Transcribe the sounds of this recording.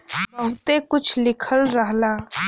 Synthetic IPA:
bəɦʊt̪ekʊt͡ʃʰlɪkʰəlɾəɦlaː

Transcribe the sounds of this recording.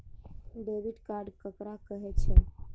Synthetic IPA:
ɖeʋiɖkaɾɖkəkɾakəɦɛt͡ʃʰɛ

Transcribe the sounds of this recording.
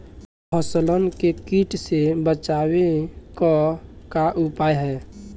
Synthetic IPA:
pʰəslənkekiːʈsebət͡ʃaːwekɔkaʔʊpaːjɦɛː

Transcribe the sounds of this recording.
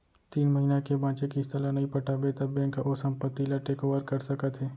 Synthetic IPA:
t̪iːnmɐɦinakebãːt͡ʃekiɪst̪əlanɐɦĩpɐʈabet̪abɛ̃nkaʔosɐ̃mpət̪ːilaʈeːkoːʋəɾkɐɾsɐkət̪ɦɛː

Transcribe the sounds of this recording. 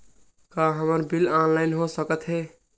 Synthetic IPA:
kaɦəməɾbilanlaɪjnɦosəkət̪ɦe

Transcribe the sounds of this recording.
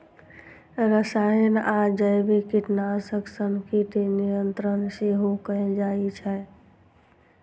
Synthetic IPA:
ɾəsaənad͡ʒəjbekiʈnasəksəmkʰiʈ̪enijənt̪ɾənseɦokəẽd͡ʒait͡ʃʰɛ

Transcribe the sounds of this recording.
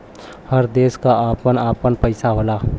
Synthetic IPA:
həɾd̪eːskaaːpənaːpənpəɪsaɦolaː

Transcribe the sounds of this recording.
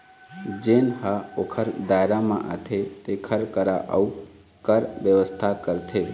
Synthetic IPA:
d͡ʒeːnhaokʰəɾd̪aːeɾamã̰ʔa̰t̪ʰet̪ekʰəɾkəɾaʔəu | kəɾʋjəʋəst̪ʰakəɾt̪ʰe

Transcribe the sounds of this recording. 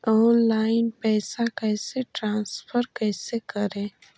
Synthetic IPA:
ɔːnlaːɪnpɛːsakɛːseʈɾãːnspʰəɾkɛːsekəɾẽː

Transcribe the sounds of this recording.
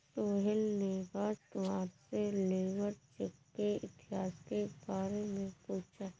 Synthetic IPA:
soːɦɪlnebaːt̪oaːpseleːʋəɾt͡ʃekːeɪ̰t̪ɪɦaːskebaːɾemẽpuːt͡ʃʰa

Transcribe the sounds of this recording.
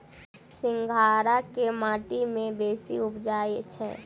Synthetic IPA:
sɪ̃ŋɡʱaːɾakemaːʈimẽbeːsḭʊpd͡ʒaːet͡ʃʰɛ̰ː

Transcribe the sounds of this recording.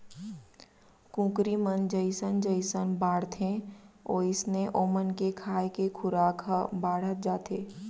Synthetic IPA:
kũːkɾimənd͡ʒəɪsənd͡ʒəɪsənbaːɽ̤t̪ʰẽɔːɪsneʔoːmənkekʰaːjkekʰʊɾaːkʰabaːɽ̤ət̪̚d͡ʒaːt̪ʰeː

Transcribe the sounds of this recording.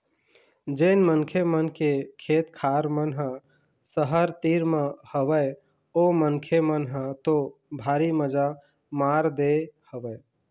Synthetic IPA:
d͡ʒenmənkʰemənkekʰet̪kʰaɾmənɦə̃ | səɦəɾt̪iɾmehəbə | omənkʰemənɦə̃t̪obʱaɾiməd͡ʒa | maɾd̪ehəbəe

